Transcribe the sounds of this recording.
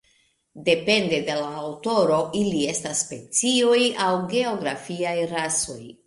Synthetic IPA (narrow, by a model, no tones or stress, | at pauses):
de̞pe̞ndede̞laːwto̞ɾo̞ʔilie̞stasːpe̞t͡sio̞jawɡe̞o̞ɡɾafiajɾaso̞̰j